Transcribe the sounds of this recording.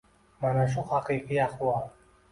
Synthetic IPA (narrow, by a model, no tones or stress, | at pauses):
manaʃ̬uhaqiqiaχwal